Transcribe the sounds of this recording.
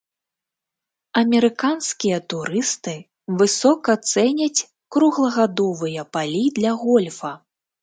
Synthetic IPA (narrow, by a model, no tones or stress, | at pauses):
ɐmʲɛɾɨkanskʲijɐt̪uɾɨst̪ɨ | vɨsɔkɐt̪sɛnʲɐt͡sʲ | kɾuɣlˠɐɣad̪ɔvɨjɐpalʲid̪lʲɐɣɔlʲfɐ